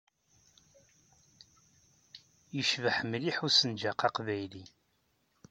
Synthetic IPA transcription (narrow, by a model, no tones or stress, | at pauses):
jəʃvəħəmːliħusənd͡ʒaqɑqvæjli